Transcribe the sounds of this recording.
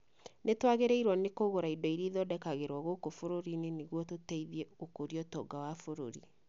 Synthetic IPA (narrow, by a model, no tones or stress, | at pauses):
netwaɣeɾeiɾwɔnekoɣoɾaidɔiɾiðɔdɛkaɣeɾwɔɣokofoɾoɾineneɣwɔtotɛiðjɛokoɾiɔtɔːɡawafoɾo̰ɾḭ